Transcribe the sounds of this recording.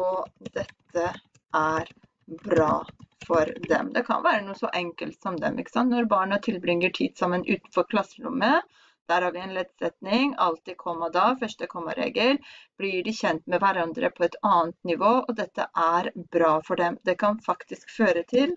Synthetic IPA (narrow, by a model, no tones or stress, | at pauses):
ɔd̪ɛt̪ːə | ʔæɾ | bɾɑ̰ːfɔɾd̪ɛ̰md̪ɛkʰɑ̰nʋæːɾənuːəsɔʔɛŋkəlt̪sɔmd̪ɛ̰mʔɪkːə̥sɑnt̪nɔɾbɑːɳət̪ʰɪlbɾɪŋːəʈʰiːd̪sɑmːənʔʉ̰ːt̪n̩fɔɾkʰlɑsəɾʊ̰mːə | d̪̥æːɾhɑːɾʋɪɛɪnleːd̪sɛt̪nɪŋɑlt̪ikʰɔmːɑd̪ɑfœʂʈəkʰɔmːə̰ɾḛːɡəlb̥lɪɖɪçɛnt̪mɛʋæɾɑnd̪ɾʔə̰pʰɔɛt̪ɑːnt̪nɪʋoːʔɔd̪ɛt̪ːə̰ʔæɾbɾɑːfɔɖɛmd̪ɛkʰɑnfɑkt̪ɪskføːɾət̪ʰɪl